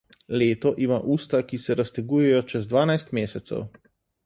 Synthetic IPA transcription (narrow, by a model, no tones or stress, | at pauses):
leːt̪ɔʔimaʔuːst̪akisɛɾast̪ɛɡuːjɛjɔt͡ʃɛzd̪ʋaːnajst̪meːsɛt̪sɛ̰w